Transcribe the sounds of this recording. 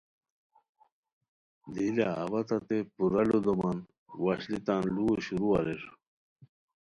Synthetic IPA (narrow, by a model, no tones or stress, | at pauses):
d̪ila̰ːbɐt̪at̪epuɾɐlod̪oman | waɕlit̪anluoɕuɾuaɾeʂu